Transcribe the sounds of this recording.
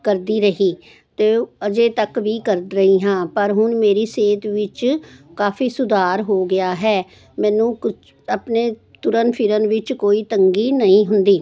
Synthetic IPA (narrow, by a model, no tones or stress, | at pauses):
kəɾd̪iːɾəɦiː | t̪eːəd͡ʒeːt̪əkʋiːkəɾd̪ɾəɦiːɦãːpəɾɦʊɳmeːɾiːseːt̪ʋɪt͡ʃkaːfiːsʊd̪aːɾɦoːɡɪaːɦɛː | mɛ̃ːnũːkʊ | əpneː | t̪ʊɾənpʰɪɾənʋɪt͡ʃkoːiːt̪əŋɡiːnəĩːɦʊnd̪iː